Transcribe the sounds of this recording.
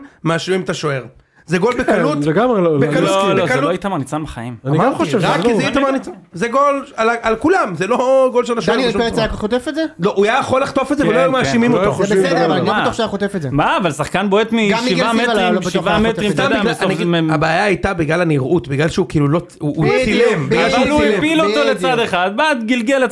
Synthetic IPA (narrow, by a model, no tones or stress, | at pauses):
maʃuimat̪aʃoeʁ | zeɡo̞lbekallut̪leɡamebekalolokaluoajit̪amaʁnit͡sabeχaimanmχoʃvʁakkːizit̪amanit͡sazeɡo̞lalaalkulamzelo̞ɡo̞lʃetaʃeajakaot̪efetzeloʔuajajaχolːaχt̪ofetzeveloajumaʃimimoosddob̪oʃajaχot̪efetzemaːvalsaχkanboet̪miɡaʃiivametʁimʃivamet̪ʁimadmmabeajaajt̪abiɡlalaniʁʔut̪biɡlalʃeukiːlulo | uilembiɡlallupilot̪o̞let͡sad̪eχad̪̚baːt̪ɡilɡelet